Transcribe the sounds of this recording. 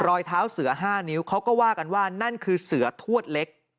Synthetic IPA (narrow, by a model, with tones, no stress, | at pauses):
ɾɔː˧jt̪ʰaː˦˥wsɯ˨˩˦ɐɦaː˥˩ni˦˥wkʰa˦˥wkɔː˥˩waː˥˩ka˧nwaː˥˩na˥˩nkʰɯː˧sɯ˩˦ɐt̪ʰu˥˩ət̪̚le˦˥k̚